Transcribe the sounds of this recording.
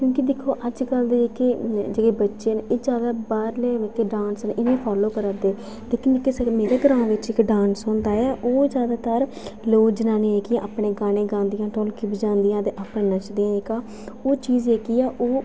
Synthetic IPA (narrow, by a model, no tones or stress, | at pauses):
kjõːkid̪ɪkʰːoːʔəd͡ʒkəld̪iekɪd͡ʒeːɡeːbətːʃeːnɪd͡ʒjaːd̪aːbaːɾleːekeɖãːnsənʔɪnẽːpʰɔːloːkəɾaːd̪eː | d̪ekɪnkɪsemeːɾeːɡəɾãːʋɪt͡ʃɪkɖãːnsɦõːnd̪aːɛːʔoːd͡ʒjaːd̪aːt̪əɾ | loːd͡ʒnaːnĩːeːkiãːʔapɽeːɡaːɽ̃ẽːɡãːnd̪ɪjãːʈoːlkiːbd͡ʒãːnd̪ɪjãːt̪eːʔapnẽːnət͡ʃʰd̪ijãːɪkaː | oːt͡ʃiːzeːkiːɛːʔoː